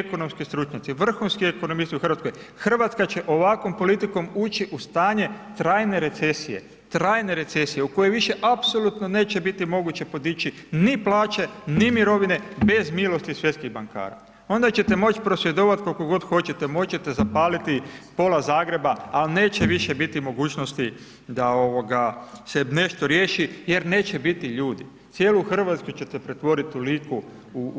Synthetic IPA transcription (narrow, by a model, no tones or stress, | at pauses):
kono̞mskist̪ɾut͡ʃɲat̪siʋr̩xunskieko̞nomist̪iuxr̩ʋat̪koj | xr̩ʋat̪skat͡ɕe̞ʔo̞ʋakʋo̞mpo̞lit̪iko̞muːt͡ʃiʔust̪aːɲe̞t̪ɾaːjne̞ɾe̞t̪se̞sije̞̰ | t̪ɾaːjne̞ɾe̞t̪se̞sije̞uko̞jeʋiʃe̞ʔapso̞lˠut̪no̞ne̞ːt͡ɕe̞bit̪imo̞ɡut͡ɕe̞po̞d̪it͡ɕiniplˠaːt͡ʃe̞nimiɾo̞ʋine̞be̞zmilˠo̞st̪isʋje̞t̪skiɣbaŋka̰ːɾa̰ | o̞nd̪at͡ɕe̞t̪e̞mo̞t͡ʃi̥pɾo̞sʋje̞d̪oʋat̪kolkoɡo̞d̪xo̞t͡ɕet̪emo̞t͡ɕe̞t̪e̞zapaːlit̪ipo̞lazaːɡɾe̞baːlne̞ːt͡ɕeʋiʃebit̪imo̞ɡuːt͡ɕnost̪i | d̪ao̞ʋo̞ɡasene̞ʃt̪o̞ɾje̞ːʃije̞ɾne̞ːt͡ɕe̞bit̪iʎuːd̪i | t̪sjeːlˠuxr̩ʋat̪skut͡ɕe̞t̪epɾe̞t̪ʋo̞ɾit̪uliku | u